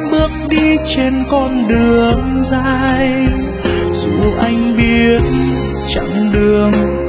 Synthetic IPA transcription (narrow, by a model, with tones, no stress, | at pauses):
ɓɨ˦˥ək̚ɗi˧t͡ɕe˧nkɔ˧nɗɨ˨˩əŋzaː˧j | zu˧˩ʔa˧jŋ̟ɓi˧ət̚ | t͡ɕa̰˧˩ŋɗɨ˨˩əŋ